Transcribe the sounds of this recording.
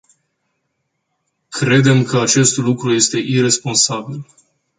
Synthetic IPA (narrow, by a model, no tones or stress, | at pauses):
kɾe̞d̪e̞mkəat͡ʃe̞st̪lukɾuje̞st̪e̞ʔire̞spo̞nsabil